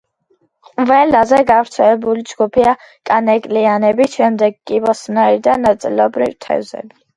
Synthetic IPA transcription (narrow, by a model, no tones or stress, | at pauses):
qʼvɛlazɛɡavɾt̪sʰɛlɛbulid͡ʒɡupʰia | kʼanɛkʼlianɛbiʃɛmd̪ɛɡkːʼibɔsnaiɾd̪anːat̪sʼḭlɛbɾivt̪ʰɛ̰vzɛ̰bi